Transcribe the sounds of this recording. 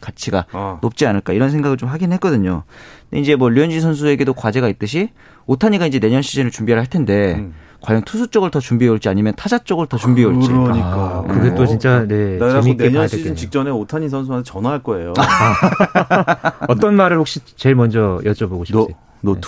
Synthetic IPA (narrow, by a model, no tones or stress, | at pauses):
kat͡ɕʰiɡa̰nop̚t͡ɕ͈ianɯɭk͈aiɾʌns̬ʰe̞ŋɡaɡɯɭt͡ɕomɸwaɡinɯɭɦet̚k͈ʌdɯɲo̰de̞ind͡ʑe̞mwʌʎijʌnd͡ʑisʰʌns̬ʰue̞ɡe̞dokwad͡ʑe̞ɡait̚t͈ɯɕʰi | otʰaɲiɡaind͡ʑe̞ne̞ɲʌnɕʰid͡ʑinɯɭt͡ɕumbiaɭɦaɭtʰe̞nde̞ | kwajʌŋtʰusʰut͡ɕ͈ʌɡɯɭtʌt͡ɕumbieuɭt͡ɕ͈iaɲimjʌntʰad͡ʑat͡ɕ͈ʌɡɯɭtʌt͡ɕumbiɦeoɭt͡ɕ͈iik͈akɯɡet͈ot͡ɕint͡ɕ͈anemineɲʌnid͡ʑint͡ɕik̚t͡ɕ͈ʌne̞otʰaɲis̬ʰʌns̬ʰuantʰat͡ɕʌnaɦaɭk͈ʌe̞joa | ʌt͈ʌnmaɾɯɭhok̚ɕ͈it͡ɕe̞ɭmʌnd͡ʑʌjʌd͡ʑʌboɡoɕʰii | o